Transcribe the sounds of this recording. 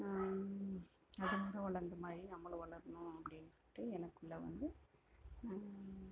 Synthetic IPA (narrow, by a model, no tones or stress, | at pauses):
ɐðɐmɐːɾɐʋɐɭɐɾnd̪ɐmaːd̪ɾinɐmːɐɭɐʋɐɭɐɾɐnʊ̃ɐpːɐɽɪnsʈːɯɛnɐkːɯɭːɐʋɐ̰nd̪ɯ